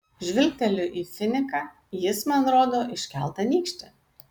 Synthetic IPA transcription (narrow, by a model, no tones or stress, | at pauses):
ʒʲʋʲɪlʲk̚ʲt̪ʲɛlʲʊʔiːfʲɪnʲɪkɑː | jɪsmɐnɾoːd̪oːʔɪʃʲkʲɛlˠˑt̪ɐnʲiːkʃʲt̪ʲɪ